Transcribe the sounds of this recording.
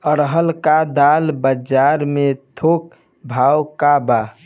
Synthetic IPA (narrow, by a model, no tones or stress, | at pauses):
əɾɦəlkad̪albəd͡ʒaɾmet̪ʰok̚ | bʱawkaba